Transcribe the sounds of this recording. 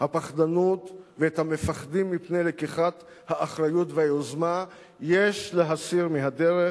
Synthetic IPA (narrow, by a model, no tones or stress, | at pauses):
hapaχd̪anutveet̪hamefaχd̪imːipne̞jlekiχat̪ | haʔːχʁajutvehajozma | jeʃleɦasiʁmiɦad̪eʁe